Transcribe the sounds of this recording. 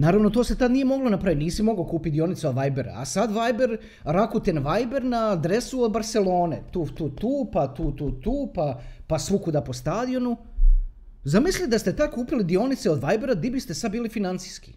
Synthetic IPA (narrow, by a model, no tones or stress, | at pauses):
naːɾavʋno̞t̪o̞ːset̪ad̪nijemo̞ɡlo̞napɾaʋimniːsimo̞ɡaokuːpit̪̚d̪io̞nit̪seod̪ʋajbeɾa̰a̰sad̪ʋajbeɾ | ɾakut̪enʋajbe̞ɾnaːd̪ɾe̞suod̪̚baɾselo̞ːnḛt̪uːt̪uːt̪uːpat̪uːt̪uːt̪uːpapasʋukud̪apo̞st̪aːd̪io̞nu | zamislid̪ast̪e̞t̪ad̪̚kuːpilid̪io̞nit̪seod̪ʋajbeɾad̪ibist̪esad̪̚biːlifinant̪sijski̥